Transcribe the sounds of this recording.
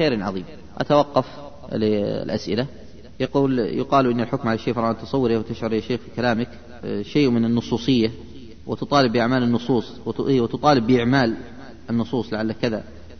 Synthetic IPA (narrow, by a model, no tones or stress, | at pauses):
xeːɾʕɑðˤiːm | ʔa̰t̪awɑqːɑf | l̰lʔa̰sʔɪla | jɑquːljʊqɑːlʔɪnːɪlħʊkmʕalaʃːeːfɾˤɑːʔant̪ɑ̥sˤɑwːɪɾawt̪ɪʃʕʊɾjaʃeːxfikalaːmɪk | ʃeːʔmɪnɪnːʊsˤuːsˤɨjːa | wɪt̪ʊt̪ˤɑːlɪbːɪʔaʕmaːlɪnːʊsˤuːsˤwt̪ʊt̪ˤɑːlɪbːɪʔɪʕmaːl | ʔɪnːʊsˤuːsˤlaʕalːakɪða